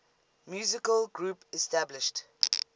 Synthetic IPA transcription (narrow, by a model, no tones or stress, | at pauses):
mjuːzɪkəlɡɹuːpɛstablɪʃt